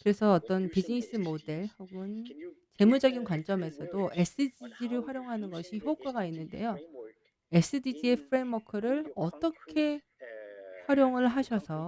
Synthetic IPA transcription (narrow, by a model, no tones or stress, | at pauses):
kɯɾe̞sʰʌːt͈ʌnpid͡ʑiŋis͈ɯmode̞ɭhoɡɯnt͡ɕe̞mud͡ʑʌɡinkwant͡ɕ͈ʌme̞sʰʌdoʔe̞s͈ɯd͡ʑid͡ʑiɾɯɭɸwaɾjoŋɦanɯnɡʌɕʰiçjok͈waɡainːɯnde̞̰jo | e̞s͈ɯdid͡ʑie̞pʰɯɾemwʌkʰɯɾɯɭʌt͈ʌkʰe̞ | ɸwaɾjoŋɯɭɦaɕʰʌsʰʌ